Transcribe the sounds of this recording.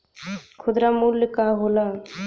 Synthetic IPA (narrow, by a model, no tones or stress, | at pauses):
kʰʊd̪ɾamulːəkaɦola